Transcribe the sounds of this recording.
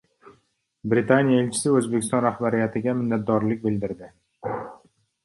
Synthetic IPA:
bɾɪt̪ʰanijaelt͡ʃʰɪ̥sɪɵzbekʲʰɪst̪ɒ̃nɾahbaɾɪjat̪ʰɪɡʲamɪnːat̪̚d̪ɒɾlɪk̚ʲbɪld̪ɪɾd̪ɪ

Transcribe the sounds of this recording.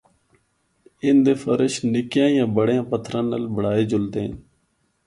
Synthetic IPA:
ɪnd̪eːfəɾəʃnɪkjãːjãːbəɽjãːpət̪ʰɾaːnəlbəɽaːeːd͡ʒʊlt̪eː

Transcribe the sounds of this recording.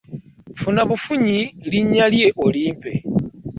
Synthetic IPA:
funaβufuɲiliɲalje̞ʔoliːmpe̞̰

